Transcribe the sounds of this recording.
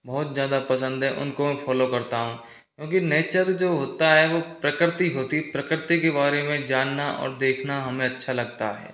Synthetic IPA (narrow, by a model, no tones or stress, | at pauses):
bɔːt̪zjaːd̪apɐsə̃nd̪ɦɛʔʊ̰nkomɛ̃fʰɔːlokɐɾt̪aɦũ | kjõːkineːt͡ʃəɾd͡ʒoːɦoːt̪aɦɛʋoːpɾɐkɾɪt̪iɦoːt̪ipɾɐkɾɪt̪ikebaːɾemẽd͡ʒaːnːaʔɔ̰ːɾd̪eːkʰnaɦɐmẽɐtːʃʰalɐɡ̚t̪a̰ɦɛ̰ː